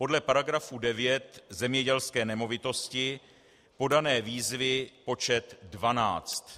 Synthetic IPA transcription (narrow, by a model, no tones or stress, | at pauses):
po̞dlɛpaɾaɡɾafudɛvjɛt̪zɛmɲɛɟɛlskɛːnɛmo̞vɪt̪o̞scɪ | po̞danɛːviːzvɪpo̞t͡ʃɛt̪dvana̰ːt͡st̪